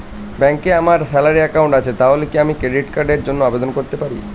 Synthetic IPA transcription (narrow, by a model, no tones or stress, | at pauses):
bɛŋkeamaɾsɛlaɾiɛkawɳʈat͡ɕʰet̪aɦolekiamikɾeɖiʈkaɾɖeɾd͡ʑonːoabed̪onkoɾt̪epaɾḭ